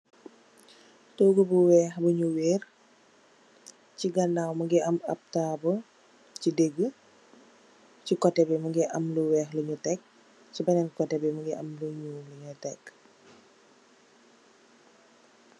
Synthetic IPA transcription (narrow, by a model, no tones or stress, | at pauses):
toɡəbuwɛxbəɲuweːr | ciɡɐnawməɡɛʔɐmɐ̰p̚taːbə | cideɡə | cikɔtɛbɛməɡɛʔɐmluwɛːxləɲutɛk̚ | cibɐnɛnkɔtɛbɛməɡiʔɐ̰mluɲuləɲutɛk